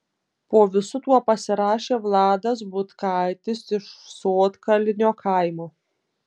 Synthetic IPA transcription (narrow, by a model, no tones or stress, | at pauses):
poːʋʲɪsʊt̪uɔpɐsʲɪɾɑːʃʲeːʋlˠɑːd̪ɐs̬bʊt̪kɐɪt̪ʲɪsɪʃsoːt̪kɐlʲɪnʲoːkʰɑˑɪmoː